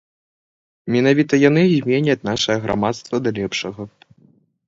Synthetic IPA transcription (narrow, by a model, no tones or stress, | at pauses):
mʲɛnavʲit̪ɐjanɨzʲmʲɛnʲɐt͡sʲnaʂɐjɐɣɾʔa̰mat̪st̪vɐd̪alʲɛpʂɐɣɐ